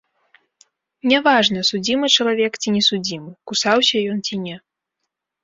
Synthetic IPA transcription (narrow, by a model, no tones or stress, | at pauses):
nʲɛvaʐnɐsud͡zʲimɨt͡ʂɐlˠavʲɛkt͡sʲinʲɛsud͡zʲimɨkusawsʲɐjɔnt͡sʲinʲɛ